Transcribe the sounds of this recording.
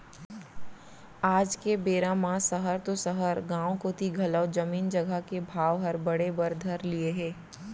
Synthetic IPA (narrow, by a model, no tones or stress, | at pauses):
aːd͡ʒkebeːɾãmãsəɦəɾt̪osəɦəɾɡãːwkot̪iɡʱɐləʋd͡ʒəmiːnd͡ʒəɡʱəkebʱaːʋɦɐɾbəɽebəɾd̪ʱəɾlieɦɛ̃ː